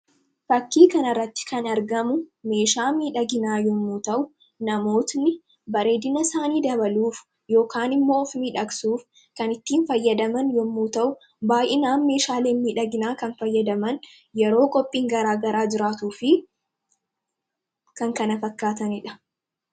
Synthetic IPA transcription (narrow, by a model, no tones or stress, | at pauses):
fɐkːiːkɐnɐrːɐt̪ːɪ̥kɐnɐɾɡɐmʊme̞ːʃaːmiːᶑɐɡɪnaːjɔmːuːt̪ɐʔʊ | nɐmo̞ːt̪nɪ | bɐɾe̞ːd̪ɪnɐsaːniːd̪ɐbɐluːf | jo̞ːkaːnɪmːo̞ːfmiːᶑɐksuːf | kɐnɪt̪ːiːnfɐjːɐd̪ɐmɐnjɔmːuːt̪ɐʔʊ | baːjʔɪnaːnːe̞ːʃaːle̞ːnmiːᶑɐɡɪnaːkɐnfɐjːɐd̪ɐmɐn | jɛɾo̞ːkʼɔpʼːiːŋɡɐɾaːɡɐɾaːd͡ʒɪɾaːt̪uːfɪ | kɐŋkɐnɐfɐkːaːt̪ɐnɪᶑɐ̥